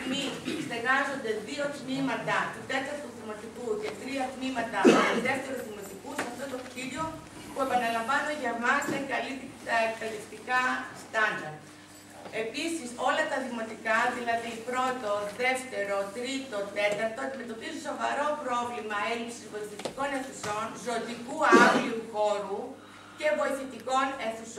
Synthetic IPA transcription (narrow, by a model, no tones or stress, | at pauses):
miseɣɐzo̞nd̪e̞ðio̞t̪nimɐt̪ɐt̪ut̪e̞t̪ɐɾt̪oðimo̞t̪ikuce̞t̪ɾiɐt̪nimɐt̪ɐiðe̞ft̪e̞ɾuzðimot̪ikusɐft̪o̞t̪ociɾo | pue̞pɐnelɐɱvɐnoɲʝɐmɐsekɐliɐek̚t̪ɐlist̪ikɐst̪ɐnd̪ɐɾ | e̞pisiso̞lɐt̪ɐðimo̞t̪ikɐðilɐðipɾo̞t̪o̞ðe̞ft̪e̞ɾo̞t̪ɾit̪o̞t̪e̞t̪ɐɾt̪o̞ɐnd̪ime̞t̪o̞pizũso̞vɐɾo̞pɾo̞vlimɐe̞lipsizvo̞iθit̪iko̞ne̞nθuso̞nzo̞d̪ikuɐvliuxo̞ɾu | ce̞vo̞iθit̪iko̞neθus